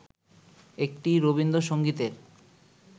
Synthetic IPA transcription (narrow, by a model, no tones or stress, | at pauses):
ek̚ʈiɾobind̪oʃoŋɡit̪eɾ